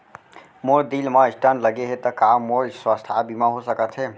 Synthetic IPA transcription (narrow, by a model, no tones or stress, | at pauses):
moɾd̪ilmãɪsʈãnləɡeɦet̪ɐkaːmolswəst̪ʰabimãɦosəkət̪ɦeː